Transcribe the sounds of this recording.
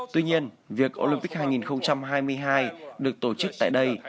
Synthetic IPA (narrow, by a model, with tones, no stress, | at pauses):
t̪wi˧ɲi˧ən | vi˨˩ək̚ʔo̰˧li˧mpi̟˦˥haː˧jŋi˨˩nxə˧wŋ͡mt͡ɕa˧mɦaː˧jmɨ˧əjɦaː˧jɗɨ˨˩ək̚t̪o˧˩t͡ɕɨ˦˥k̚t̪a̰ː˧˨jɗə˧j